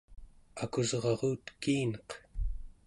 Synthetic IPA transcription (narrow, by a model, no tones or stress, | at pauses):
akuzʁɑʁuːt̪kiːnʌq